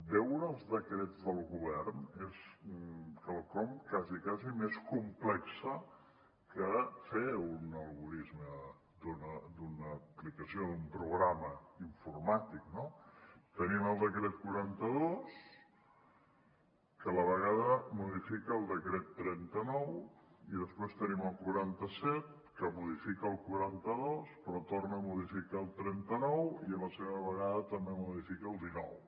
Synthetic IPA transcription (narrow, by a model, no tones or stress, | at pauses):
bɛwɾəəlˠzðəkɾɛd͡zðəlˠɣuβɛrnes | kalˠkɔmkazikazimeskumplɛksə | kəfeunəlˠɣuɾizmə | d̪unəd̪unəplikəsioðumpɾuɣɾaməiɱfurmat̪ik̚not̪əniməlˠd̪əkɾɛt̪̚kuɾant̪əðos | kələβəɣaðəmuðifikəːlˠd̪əkɾɛt̪ːɾɛnt̪ənɔwiðəspwest̪əniməlˠkuɾant̪əsɛt̪̚ | kəmuðifikəːlˠkuɾant̪əðospɾɔt̪ornəmuðifikaəlˠt̪ɾɛnt̪ənɔwiələseβəβəɣaðət̪əmbemuðifikəːlˠd̪inɔ̰w